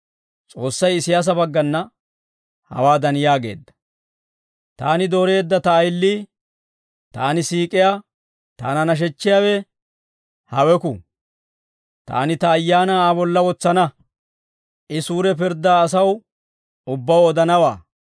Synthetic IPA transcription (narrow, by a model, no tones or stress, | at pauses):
t͡sʼo̞ːsːɐjɪsɪjaːs̬ɐbɐɡːɐnːɐ | hɐ̰waːd̪ɐnjaːɡe̞̰ːd̪ːɐ̥ | t̪a̰ːnɪd̪o̞ːɾe̞ːd̪ːɐt̪ɐːjlːiː | t̪a̰ːnɪsiːkʼɪjaː | t̪a̰ːnɐnɐʃ̬ɛt͡ʃːɪjaːwɛ | hɐwɛkʊ̰ | t̪a̰ːnɪt̪ɐːjːaːnɐaːbɔlːɐwɔt͡sːɐnɐ | ʔɪsuːɾɛp̬ɪɾd̪ːaːsɐw | ʊbːɐwɔd̪ɐnɐwaː